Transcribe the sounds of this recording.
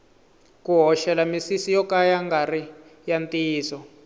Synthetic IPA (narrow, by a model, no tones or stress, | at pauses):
kuɦɔʃɛlamisisijɔkajaŋɡari | jantʼiːsɔ